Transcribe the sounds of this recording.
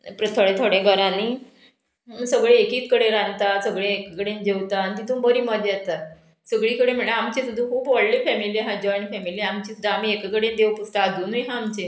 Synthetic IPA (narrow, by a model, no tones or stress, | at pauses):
pɾət̪ʰəɭẽt̪ʰoɽẽɡʱəɾaniː | səɡɭeekiːt̪kəɽeɾãnt̪asəɡɭẽekəkəɽẽnd͡ʑeʋwt̪aːnit̪id̪ʰʱũːbəɾiːməd͡ʑjɛt̪a | səɡɭiːkəɽem̤iɭaamt͡ɕesud̪ʱũkʰuːbʋəɽliːfɛmiliɦad͡ʑɔɳifɛmiliamt͡ɕisud̪ʱːaam̤iːekəkəɽẽnd̪ewpust̪aːd͡zuːnujɦaːmt͡ɕe